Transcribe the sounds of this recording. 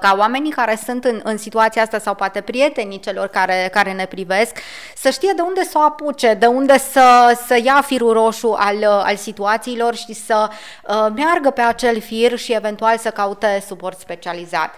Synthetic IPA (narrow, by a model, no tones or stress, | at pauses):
kaoame̞nikaɾe̞sunt̪ɨnɨnsit̪uat̪siaast̪asawpoat̪e̞pɾije̞t̪e̞nit͡ʃe̞lo̞rkaɾe̞kaɾe̞ne̞pɾive̞sk | səʃt̪ije̞d̪e̞und̪esoaput͡ʃe̞d̪e̞und̪e̞səsəjafiɾuɾo̞ʃuʔala̰lsit̪uat̪siːlo̞rʃisə | əmearɡəpe̞at͡ʃe̞lfirʃie̞ve̞nt̪ualsəkaut̪e̞supo̞rt̪spe̞t͡ʃializa̰t̪